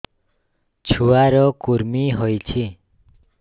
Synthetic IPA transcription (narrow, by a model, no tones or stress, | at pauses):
t͡ʃʰuaɾɔkuɾmiɦojt͡ʃʰi